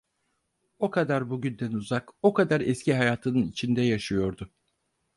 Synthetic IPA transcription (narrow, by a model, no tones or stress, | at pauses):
o̞kʰad̪aɾbuɟynd̪ænuzako̞kad̪aɾɛsciɦajaːt̪ʰɯnɯnit͡ʃʰind̪ɛjaʃɯjo̞ɾd̪ʊ